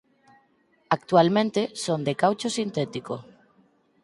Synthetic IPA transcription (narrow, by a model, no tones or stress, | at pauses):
ak̚t̪ualmẽnt̪esond̪ekawt͡ʃosint̪ɛt̪iko